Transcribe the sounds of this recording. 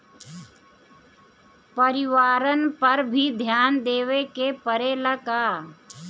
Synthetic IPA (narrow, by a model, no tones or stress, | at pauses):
pəɾɪʋaːɾənpəɾbʱid̪ʱjaːnd̪eːʋekepəɾeləkaː